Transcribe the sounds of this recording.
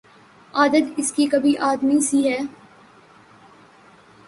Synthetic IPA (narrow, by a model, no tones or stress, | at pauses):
aːd̪ət̪ɪskikɐbʱiʔaːd̪misiɦɛː